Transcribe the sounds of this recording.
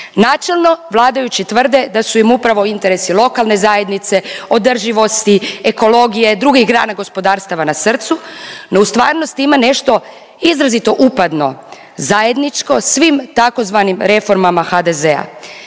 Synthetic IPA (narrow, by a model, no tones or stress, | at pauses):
naːt͡ʃe̞lˠno̞ʋlˠaːd̪ajut͡ɕit̪ʋər̩d̪e̞d̪asuimupɾaʋo̞int̪e̞ɾe̞silˠo̞kalˠne̞zaːje̞d̪nit̪se̞o̞d̪r̩ʒiʋo̞st̪ieko̞lo̞ɡije̞d̪ɾuɡixɡɾa̰ːnaɡo̞spo̞d̪aːɾst̪aʋanasr̩t̪suno̞ust̪ʋaːɾno̞st̪imane̞ʃt̪o̞ | izɾazit̪o̞ʔupad̪no̞̰ | zaje̞d̪nit͡ʃko̞sʋimt̪ako̞zʋaːnimɾe̞fo̞ɾmamaxad̪e̞zea̰